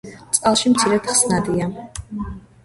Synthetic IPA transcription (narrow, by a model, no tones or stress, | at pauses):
sʼqʼalˠʃimt̪sʰiɾɛt̪ʰχsnad̪ia